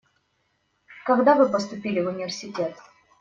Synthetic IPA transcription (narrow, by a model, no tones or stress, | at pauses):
kɐɡd̪avɨpəst̪ʊpʲilʲɪvʊnʲɪvʲɪrsʲɪtʲet̪